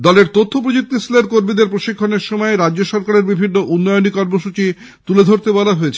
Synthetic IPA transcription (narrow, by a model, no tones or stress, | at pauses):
d̪ɔleɾt̪ot̪ʰːop̬ɾod͡ʑuk̚t̪isileɾkoɾmid̪eɾpɾoʃikʰːoneɾʃomɔeɾadd͡ʑoʃɔɾkaɾeɾbibʱinːoʔunːɔjonikɔɾmoʃut͡ɕi | t̪uled̪ʱoɾt̪ebɔlaɦoet͡ɕʰe̥